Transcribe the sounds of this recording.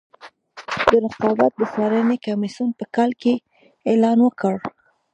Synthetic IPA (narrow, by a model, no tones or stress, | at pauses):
d̪əɾɪqɑbat̪̚d̪əsɑɾənekamisunpəkɑlke | elɑnwəkəɽ